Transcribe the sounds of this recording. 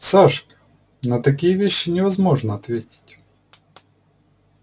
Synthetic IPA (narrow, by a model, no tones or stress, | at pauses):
saʂkə̥ | nət̪ɐkʲijəvʲeɕːɪnʲɪvɐzmo̞ʐnəɐt̪vʲetʲɪ̥tʲ